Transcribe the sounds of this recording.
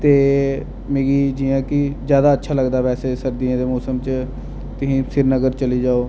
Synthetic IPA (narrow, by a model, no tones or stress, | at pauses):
t̪eː | mẽːɡiːd͡ʒiːãːkɪzjaːd̪aːətːʃʰaːləɡd̪aːʋɛːseːsəɾd̪iãːd̪eːmoːsəmt͡ʃ | t̪ʊsĩːsɪɾnəɡəɾt͡ʃəliːd͡ʒaːoː